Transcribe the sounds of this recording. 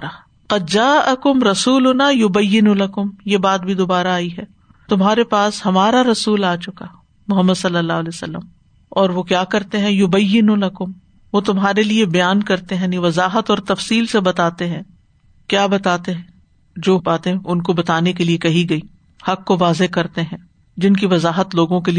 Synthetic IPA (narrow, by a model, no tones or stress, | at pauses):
qɐd̪̚d͡ʒaːʔɐkʊmɾɐsuːlʊnajʊbɐjːɪnulɐkʊmjebaːt̪̚bʱid̪oːbaːɾaːiɦɛː | t̪ʊmɦaːɾepaːshɐmaːɾaɾɐsuːlaːt͡ʃʊka | mʊɦəmːəd̪sɐlːəlːaːɦleːsɐ̰lːə̰m | ɔːɾʋokjaːkɐɾt̪eɦɛ̃jʊbɐjːɪnulɐkʊm | ʋot̪ʊmɦaːɾeliebɐjaːnkɐɾt̪eɦɛ̃nĩʋɐzaːɦət̪ɔːɾt̪ɐfsiːlsebɐt̪aːt̪eɦɛ̃ː | kjaːbɐt̪aːt̪eɦɛ̃ | d͡ʒoːbaːt̪ẽʔʊnkobɐt̪aːnekeliekɐɦiɡɐiː | hɐkːoʋaːzekɐɾt̪eɦɛ̃ː | d͡ʒɪnkiʋɐzaːɦət̪loːɡõkeli